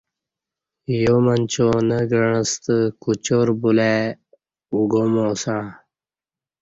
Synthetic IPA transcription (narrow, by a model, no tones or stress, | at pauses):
jomənt͡ɕonəɡəɳəst̪əkut͡ɕoɾbule | uɡomõːsãː